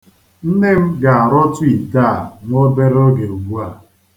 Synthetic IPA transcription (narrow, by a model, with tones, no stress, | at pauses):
n̩˦ne˦m̩˦ɡa˨a˨ɾɔ˦tʊ˦i˨ta˦˨ŋo˦be˦ɾo˦ɡe˨u˨ɡ͡bu˦a˨